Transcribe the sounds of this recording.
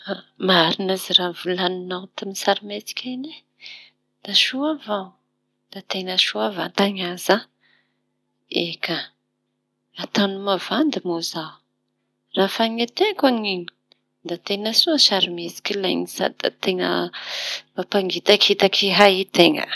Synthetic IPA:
maɾinaziravulaninawt̪amisaɾimet͡si̥kʲʰane | d̪̥aʃuavaw | d̪̥at̪enəʃuavant̪aɲaza | eka | at̪anumavand̪imozaw | rafaɲat̪ekaŋini̥ | d̪at̪enəsuasaɾimet͡si̥kʲilajnisa̰d̪a̰t̪eŋə̰ | mapaŋɡit̪akit̪akʰiɦait̪eŋə̰

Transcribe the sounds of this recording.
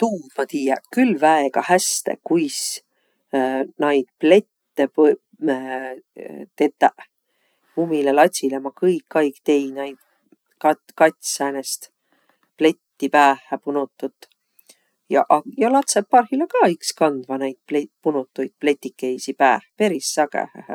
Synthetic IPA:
t̪uːd̪mɑt̪iːjɛ̰kylːvæeɡ̥ɑhæst̪ḛkujs | nɑjd̪̥̚ple̞t̪ːep | t̪e̞t̪ːæʔ | umilelɑt̪ʲsilemɑkɤɯjkːɑjkt̪e̞jnɑjd̪̥̚ | kɑ | kɑt̪ʲsæːnest̪ | ple̞t̪ʲːipæːhæpunut̪ːˑut̪ː | jɑ̰ʔjɑlɑt̪sepːɑrhilekɑːikskɑnd̪̥vɑnæjd̪̥̚plepunut̪ːˑujd̪̥̚ple̞t̪ʲːikːe̞jsipæːhpe̞ɾisːɑɡḛhæ̰h

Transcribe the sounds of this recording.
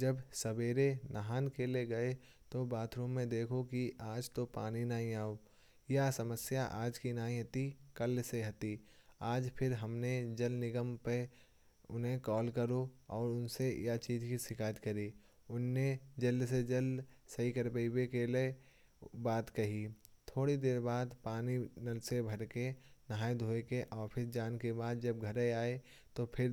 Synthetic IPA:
d͡ʒəbsɐbeːɾenɐɦaːnkeleɡɐe | t̪obaːt̪ʰɾõːẽd̪eːkʰokiʔaːd͡ʒt̪opaːninaːɦĩaːo | jasɐməsjaʔaːd͡ʒkinaːɦĩɦɐt̪ikɐlseɦɐt̪iaːd͡ʒpʰɪɾɦɐmned͡ʒɐlnɪɡəmpe | ʊnɦẽkɔːlkɐɾoɔːɾʊnsejat͡ʃiːd͡ʒkisɪkaːjət̪kɐɾi | ʊnːed͡ʒɐlːsed͡ʒɐlsɐɦikɐɾpəibekele | baːt̪kɐɦit̪ʰoːɽid̪eːɾbaːd̪paːninɐlsebʱɐɾkenɦaːjd̪ʱoːekeʔɔːɾpʰɪɾd͡ʒaːnkebaːd̪d͡ʒɐb̚ɡʱɐɾeaːe | t̪opʰɪɾ

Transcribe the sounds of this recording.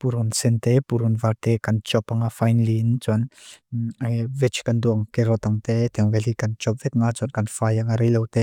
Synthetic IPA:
puɾunsɛnt̪epuɾunvaɾt̪ekant͡ʃɔpaŋafajnlint͡suan | avet͡ʃkand̪uaŋkeɾot̪aŋt̪et̪ɛŋvelikant͡ʃɔp̚vet̪̚ŋat͡suankanfajaŋaɾiləwt̪e

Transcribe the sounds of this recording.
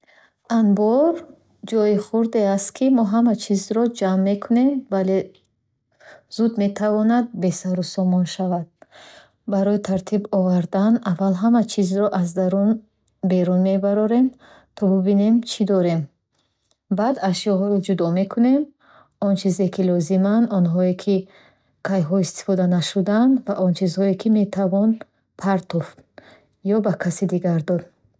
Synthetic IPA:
anbɔɾ | d͡ʒɔjiχuɾd̪east̪kʰimɔɦamat͡ʃʰizɾɔd͡ʒamːe̞kʰune̞mvale | z̥ud̪me̞t̪ʰavɔnad̪̚be̞saɾusɔmɔnʃavad̪̥̚ | baɾɔit̪ʰaɾt̪ʰibɔvaɾd̪anavalɦamat͡ʃʰizɾɔʔazd̪aɾun | be̞ɾunme̞baɾɔɾe̞m | t̪ʰɔbubine̞mt͡ʃʰid̪ɔɾe̞m | bad̪aʃjɔɦɔd͡ʒud̪ɔme̞kʰune̞m | ɔnt͡ʃʰizekʰilɔzimand̪ɔnɦɔekʰi | kʰajɦɔist̪i̥fɔd̪anaʃud̪and̪vaʔɔnt͡ʃʰizhɔekʰime̞t̪ʰavɔn | pʰaɾt̪ʰɔft̪ | jɔbakʰasid̪iɡaɾd̪ɔd̪

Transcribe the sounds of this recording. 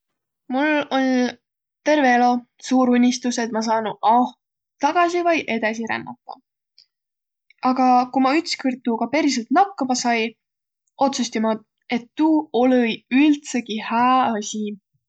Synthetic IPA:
mulo̞l | t̪e̞rve̞elo̞ | suːɾunʲːist̪use̞t̪̚mɑs̬ɑːnuʔɑh | t̪ɑɡ̥ɑsivɑjʔe̞d̪̥ɑsiɾæ̰nːɑ̰t̪ːˑɑ̰ | ɑɡ̥ɑkumɑyt̪skɯrt̪ːˑuɡɑpeɾis̬elt̪nɑkːɑmɑsɑj | o̞t̪sust̪imɑ | e̞t̪ːuːolɤjylt̪se̞ɡihæːɑsʲi

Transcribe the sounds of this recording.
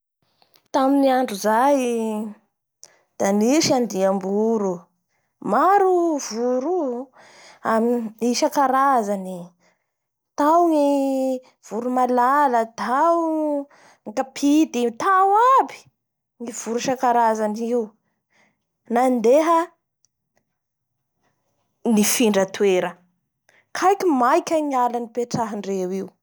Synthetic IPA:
t̪aminiaɳɖ͡ʐuzaj | d̪̥aniʃand̪iambuɾu | maɾuv̥uɾu | amiiʃakaɾazani | t̪awŋi | v̥uɾumalalət̪ʰaw | ŋkapʰid̪it̪awabi̥ | ŋiv̥uɾuʃakaɾazaniw | nand̪eɦə | nifiɳɖ͡ʐət̪weɾə | kʰajkʲimajkʲəŋialanipeʈ͡ʂaɦɳɖ͡ʐewiw

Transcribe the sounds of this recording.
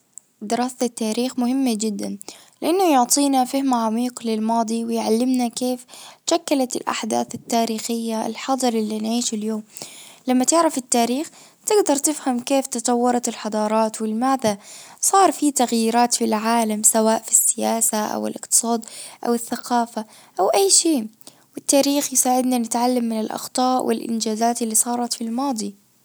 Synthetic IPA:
d̪ɪɾɑːsɪt̪ːaːɾiːxmʊhɪmːad͡ʒɪd̪ːan | lɪʔanːʊjʊʕt̪ˤiːnafɪhmaʕamiːqlɪlmɑːd̪ˤiwɪjʕalːɪmnakeːfʃakːalat̪ɪ̰lʔa̰ħd̪a̰ːθɪt̪ːaːɾiːxɪjːaɪ̰lħɑd̪ˤɨɾˤʔɪlːinʕiːʃɪljoːmlamːat̪ɪʕɾafɪt̪ːaːɾiːx | t̪ɪɡd̪ɑɾˤt̪ɪfhamkeːft̪ɨt̪ˤɑwːɑɾˤɑt̪ɪlħɑd̪ˤɑːɾˤɑːt̪wɪlɪmaːðasˤɑːɾˤfit̪aɣjiːɾaːt̪filʕaːlamsawaːʔfi̥sːɪjaːsaʔa̰wɪ̰lʔɪqt̪ɨ̥sˤɑːd̪ʔa̰wɪθːaqʰɑːfa | ʔawʔajːʃeː | wɪt̪ːaːɾiːxjɪsaːʕɪd̪nanɪt̪ʕalːamːɪnɪlʔɑ̰xt̪ˤɑːʔwʔɪ̰lʔɪ̰nd͡ʒaːzaːt̪ɪlːisˤɑːɾˤɑt̪filmɑːd̪ˤi

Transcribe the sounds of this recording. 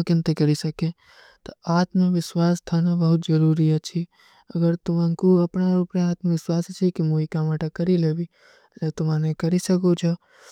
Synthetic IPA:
kɪ̃nt̪ekɐɾisɐkẽ | t̪oaːt̪mẽʋɪswaːst̪ʰaːnabɐɦʊt̪d͡ʒɐɾuːɾiɛt͡ʃʰi | ɐɡəɾt̪ʊmãkuɐpnaɾuːpɾeaːt̪mẽʋɪswaːst͡ʃʰikimoikaːmaʈakɐɾileːbi | let̪ʊmãnẽkɐɾisɐkot͡ʃʰe

